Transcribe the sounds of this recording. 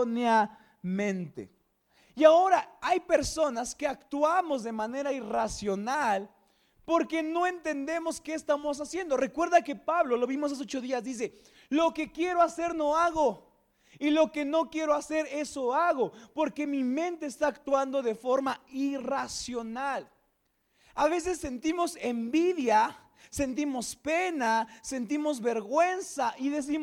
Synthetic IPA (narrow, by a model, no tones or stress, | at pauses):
nea | mẽnt̪ḛ | iao̞ɾaajpe̞ɾso̞naske̞akt̪wamo̞zðe̞mane̞ɾairasjo̞nal | po̞ɾke̞no̞e̞nt̪e̞nd̪e̞mo̞ske̞ːst̪amo̞s̬asje̞nd̪o̞re̞kwe̞ɾðake̞paβlo̞lo̞βimos̬as̬ot͡ʃo̞ðiazðis̬e̞ | lo̞ke̞kje̞ɾo̞ase̞ɾno̞aɣo | ilo̞ke̞no̞kje̞ɾoase̞ɾe̞soaɣo̞po̞ɾke̞mimẽ̞nt̪e̞ːst̪aːkt̪wand̪o̞ðe̞fo̞ɾmairasjo̞nal | aβe̞s̬e̞sːe̞nt̪imo̞se̞mbiðja | se̞nt̪imo̞spe̞nase̞nt̪̬imo̞zβe̞ɾɣwe̞nsaʔiðe̞s̬im